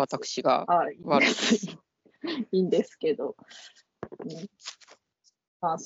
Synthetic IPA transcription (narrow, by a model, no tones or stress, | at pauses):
at̪akɯ̟̥ɕiɡa̰aiβaɾɯ | iːnd̪e̞sɨ̥ke̞d̪o̞ | ɯ̟̃ɴ | maːs